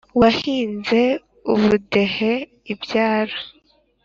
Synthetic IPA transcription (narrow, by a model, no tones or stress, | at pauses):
wahiːnze̞ | uβude̞he̞ | ibjaːɾa